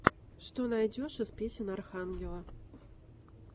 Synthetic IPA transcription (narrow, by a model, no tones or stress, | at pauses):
ʂt̪ɔnajd͡zʲɔʂɨspʲesʲɪnarxanɡʲɛlˠɐ